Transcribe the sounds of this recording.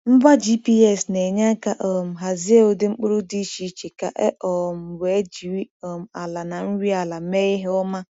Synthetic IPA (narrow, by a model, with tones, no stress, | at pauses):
m̩˦ba˦d͡ʒi˦pi˦e˦˨sne˨ɲa˦ka˨ʔɔ˨m̩˨ɦa˨zɪ˦e˦o˦dɪ˦ŋ͡m̩˦k͡pʊ˦ɾu˦di˦ʃi˦t͡ʃe˨ka˨ʔḛ˦ʔɔ˨m̩˨we˨e˦d͡ʒi˨ɾi˦ɔ˨m̩˨a˨la˨na˨n̩˦ɾi˦a˨la˨˦me˦i˦ɦe˦ʊ˦ma˦